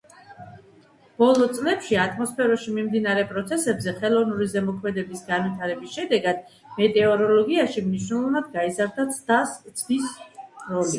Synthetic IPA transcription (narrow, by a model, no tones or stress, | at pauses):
b̥ɔlˠɔt̪sʼlɛpʃiat̪ʰʼmɔspʰɛɾɔʃimimd̪inaɾɛpʼɾɔt̪sʰɛsɛbzɛχɛlˠɔvnuɾizɛmɔkʰmɛd̪ɛbisɡanwit̪ʰaɾɛbisʃɛd̪ɛɡad̪̥̚ | mɛt̪ʼɛɔɾɔlɔɡiaʃimniʃnɛlˠɔvnad̪̚ɡaizaɾd̪at̪sʰd̪ast̪sʼʰvisɾɔli